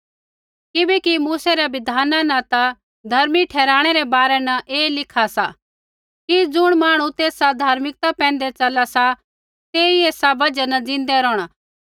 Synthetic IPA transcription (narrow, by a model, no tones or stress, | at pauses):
kɪbɛkimuːsɛɾɛʋɪd̪ʱaːnanɐt̪a | d̪ʱɐɾmiʈʰɛːɾaːɽ̃ɛɾɛbaːɾɛnɐʔeːlɪkʰasa | kid͡zʊɽ̃maːɽ̃ut̪eːsad̪ʱaːɾmɪk̚t̪apɛ̃ːn̆d̪ɛt͡ʃɐlasa | t̪eːieːsabɐd͡ʒənɐd͡zɪ̃nd̪ɛɾɔːɽ̃a